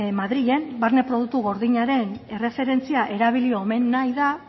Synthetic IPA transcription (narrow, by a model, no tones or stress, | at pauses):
maðɾiʎe̞mbaɾne̞pɾo̞ð̞uk̚t̪uɣo̞ɾðiɲaɾe̞ne̞refe̞ɾe̞nt͡siaʔe̞ɾaβilio̞me̞nːajða